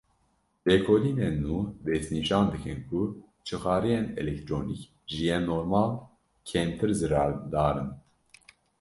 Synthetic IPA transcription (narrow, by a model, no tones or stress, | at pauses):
beːkʰoːliːnenːuːd̪ɛsniːʃɑːnd̪ɨkɨnkʰu | t͡ʃʰɨxɑːɾijenɛ̰lɛk̚t̪ʰɾoːnik | ʒɨjɛnoːɾmɑːl | kʰeːmt̪ʰɨɾzɨɾɑːɾd̪ɑːɾɨn